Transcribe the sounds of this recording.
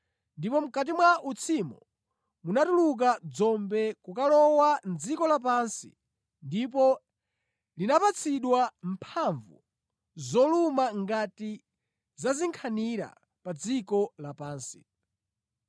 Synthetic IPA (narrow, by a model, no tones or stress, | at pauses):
ndipɔm̩kat̬imwaʔut͡sʰimɔ | munatuluk̬ad͡zɔmbɛkukalɔwand͡zikɔlap̬ansḭ | ndip̬ɔ | linapat͡sʰiɗwampʰaɱvṵ | zɔlumaŋɡati | zaziŋkʰaniɾa̰ | pad͡zikɔlapaːnsi̥